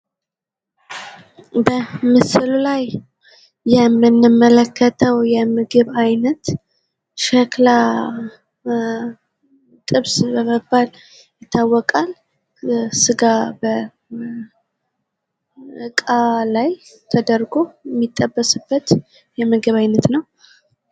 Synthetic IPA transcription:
bəmɨsɨlulajː | ɛmːɨnːɨmːələkʰːət̪ʰəwjɛmɨɡɨβajnət̪ | ʃɛkla | t̪ʼɨβsbəməbːal | jɪt̪ʰːawːɔkʼal | sɨɡabə | ʔɨkʼalajt̪ʰəd̪əɾɡoɛmːit̪ʼːəbːəsɨbːət̪ | jɛmɨɡɨβajnət̪nəw

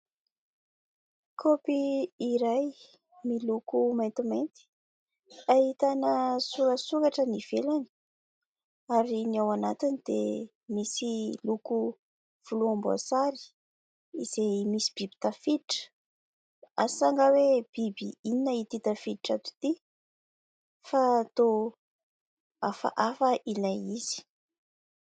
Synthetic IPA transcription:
kʰopiːɾaj | milukumajnt̪imejnt̪i̥ | aɦit̪anəsuɾəsukaʈ͡ʂəniv̥elani̥ | aɾiniawanat̪inid̪ḛ | misiluku | v̥uluambua̰saɾi̥ | iz̥ejmisi̥b̥ibi̥t̪afid̪iʈ͡ʂə̥ | asaŋɡaweb̥ibiininait̪it̪afid̪iʈ͡ʂat̪u̥t̪i | fat̪o | afa̰ʔafəʔilajiz̥i̥

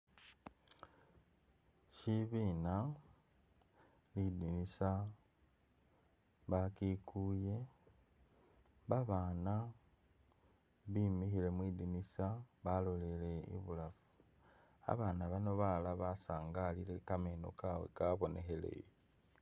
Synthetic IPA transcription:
ʃiβiːna | lidinisa | βakikuːje̞ | mbaβaːna | βimixile̞mwiːdinisaβalo̞le̞le̞ḭβulafu̥ | a̰βaːnaβano̞βalaβasaːŋɡalile̞kame̞no̞̰kawḛkaβo̞ne̞xe̞le̞̰

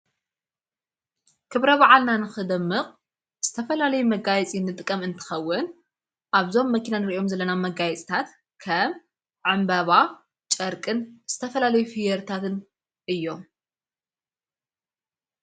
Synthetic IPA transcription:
kʰɨβɾɐβaʕalnanɨxɨd̪ɐmːɨqʼ | z̥ɨt̪ʰɐfɐlalɐjumɐɡajɛt͡sʼinɨt̪ʼɨkʼːɐmɨnt̪ʰɨ̥xɐwːʊn | ʔaβzo̞mːɐkʰinanɨɾiʔo̞mzɐlːɐnamɐɡajɛt͡sʼi̥t̪ʰat̪ | kʰɐm | ʕambɐβa | t͡ʃʼɐɾkʼɨnz̥ɨt̪ʰɐfɐlalɐjufijɛɾt̪ʰat̪ʰɨn | ʔɨjːo̞

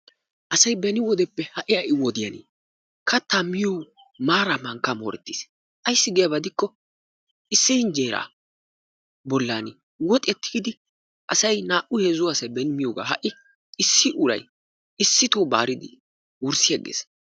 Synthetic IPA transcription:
ʔɐsɐjbɛnɪwɔd̪ɛpːɛhɐʔɪjɐʔɪwɔd̪ɪjɐnḭ | kɐt̪ːamɪjoː | maːɾamɐŋkːɐmoːɾɛt̪ːiːs | ʔɐjsːɪɡɛjɐbɐd̪ɪkːɔ | ʔɪsːɪhɪnd͡ʒeːɾa̰ː | bɔlːaːnɪ | wɔt̪ʼɛt̪ːɪ̥ɡɪd̪ɪ | ʔɐsɐjnaːʔʊheːzʊwasɐbɛnɪmɪjoːɡa̰ːɦɐ̰ʔɪ | ɪsːɪʔʊɾɐ̰j | ɪsːɪt̪oːba̰ːɾɪd̪ɪ̰ | wʊɾsɪjɐɡḛːs

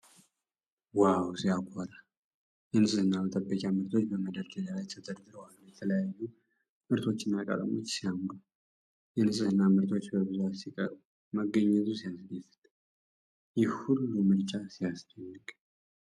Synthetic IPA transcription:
wawsijakʷʰʼoɾa | jɛnɨsʼɨhɨnːabət̪ʼəbːəkʼjamɨɾt̪ʰo̞t͡ʃːbəməd̪əɾt̪ʰezalajt̪ʰət̪ʰəd̪d̪ɨɾwanjɛt̪ʰələjajːu | mɨɾt̪ʰo̞t͡ʃːɪnːakʼə̰t̪ʼə̰mo̞̰t͡ʃːsijamdu | jɛnɨsʼɨhɨnːamɨɾt̪ʰo̞t͡ʃːbəβɨzuasikʼə̰uu | məɡːəɲːɛt̪ʼusijasɨd̪efɨ̥t̪ʼ | jɛhulːumɨɾt͡ʃʼasijast̪ʰɛnːɨkʼ

